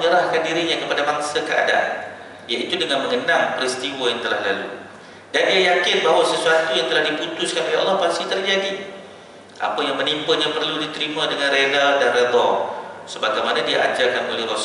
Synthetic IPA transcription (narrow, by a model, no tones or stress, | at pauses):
ɲəɾahkandiɾiɲakəpadabaŋsakəa̰daʔa̰n | ijait̪udəŋanməŋəndaŋpəɾist̪iwajaŋt̪əlahlalṵ | dandiajakɪnbaɦawasəsuat̪ujaŋt̪əlahdiput̪ʊskanʔoleɑ̰lˠːɑhpast̪it̪ərd͡ʒadi | ʔa̰pajaŋmənimpəɲapərludit̪əɾimãdəŋanɾedadanred̪ɔsəbaɡajmanãdiaʔad͡ʒakanolɛhɾo